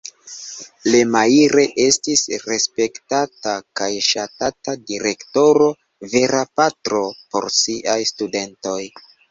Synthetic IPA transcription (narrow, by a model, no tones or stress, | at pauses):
lemaiɾe̞ʔe̞stisɾe̞spe̞ktatakajʃatatadiɾe̞kto̞ɾo̞ | ve̞ɾapatɾo̞po̞̰ɾsiʔajstude̞nto̞j